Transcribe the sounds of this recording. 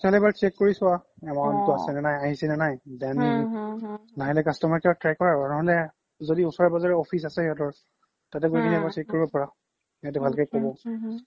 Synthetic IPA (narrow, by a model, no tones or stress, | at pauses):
ɔtɛɦɔlɛɛbaɹt͡ʃɛkːoɹisʊwa | ɛmantʊasɛnanajaɦisɛnanajdɛn | naɦilɛkastɔmaɹkɛbatɹɛkːɔɹaanɔɦɔlɛ | zodiʊsɔɹɛbazaɹɛɔpʰis̬asɛɦiɔtɔɹ | tatɛɡokʰiniɛbaɹt͡ʃɛkkːoɹibɔpɔɹa | at̬ubʱalkɛjkobɔ